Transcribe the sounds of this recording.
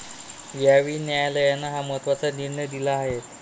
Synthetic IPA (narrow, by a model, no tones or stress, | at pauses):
ʋjaʋiːnjajləjanːaɦamət̪ʋat͡saniɾɳəjd̪ilaːɦet̪